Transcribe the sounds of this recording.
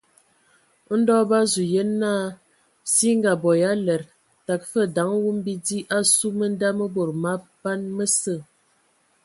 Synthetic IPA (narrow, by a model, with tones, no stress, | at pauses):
n̩˦dɔ˦ba˦zu˨jə˦nːaː˦˨ | si˦ŋ˦ɡa˨bɔ˨ja˦lɛ˨ɾ | ta˨k̚fə˦˨da˨˦ŋwu˦m˦bi˦di˦ʔa˦su˦mə˦n˦da˦mə˦bo˨ɾma˦ba˦nmə˦sə˦˨